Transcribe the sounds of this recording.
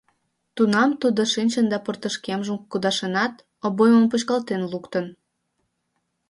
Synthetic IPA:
t̪unɑmt̪ud̪oʃinʲt͡ɕənd̪ɑpərt̪əʃkemʒəmkud̪ɑʃenɑt̪ | oβojməmput͡ɕkɑlt̪enlukt̪ən

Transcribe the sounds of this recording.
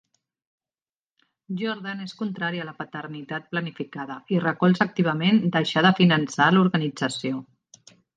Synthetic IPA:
ʒɔɾðaneskunt̪ɾaɾiələpət̪ərnit̪at̪̚plənifikaðəirəkɔlˠzək̚t̪iβ̞əmend̪əʃaðəfinənsaluɾɣənid͡zəsio

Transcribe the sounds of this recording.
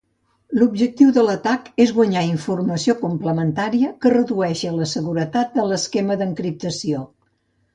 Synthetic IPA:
lubʒək̚t̪iwðələt̪akezɣwəɲaiɱfurməsiokumpləmənt̪aɾiəkərəðuɛʃələsəɣuɾət̪at̪̚d̪ələskeməðəŋkɾip̚t̪əsio

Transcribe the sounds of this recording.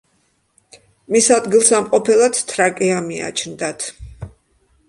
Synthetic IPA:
misad̪ɡilˠsamqʼɔpʰɛlˠat̪t̪ʰɾakʼɛamia̰t͡ʃʰnd̪at̪ʰ

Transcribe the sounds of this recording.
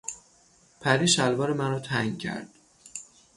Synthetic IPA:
pʰæɾiːʃælbɒːɾemæɾɒːt̪ʰæŋɡcʲʰæ̰ɾd̪̥

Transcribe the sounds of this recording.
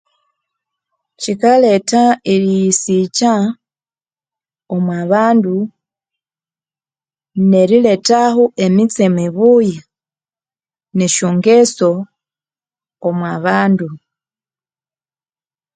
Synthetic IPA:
cikale̞taiɾijisica | omwaβaːndu | ne̞ɾile̞tahuʔe̞mit͡semiβuja | neʃoːŋɡeso̞ | mwaβaːndu

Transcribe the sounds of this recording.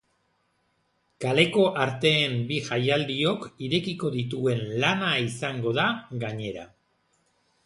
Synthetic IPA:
kale̞ko̞ʔaɾt̪e̞ːmbiʝajald̪io̞kiɾe̞kiko̞ðit̪̬ue̞nlanaisaŋɡo̞ðaɡaɲe̞ɾa̰

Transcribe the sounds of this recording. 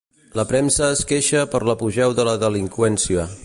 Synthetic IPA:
ləpɾɛmsəːskeʃəpəɾləpuʒɛwðələðəliŋkwɛnsiə

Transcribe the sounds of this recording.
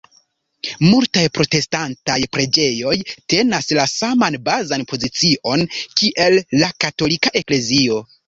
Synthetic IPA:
multajpɾo̞te̞stantajpɾe̞d͡ʒe̞jo̞jte̞naslasamanbazanpo̞zit͡siʔo̞nkiʔe̞lːakato̞likaʔe̞kle̞zio̞

